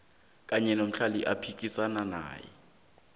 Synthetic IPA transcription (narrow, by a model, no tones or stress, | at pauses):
kʼaɲɛnom̩ɬaliʔapʰikʼisanana̰ːjɛ̰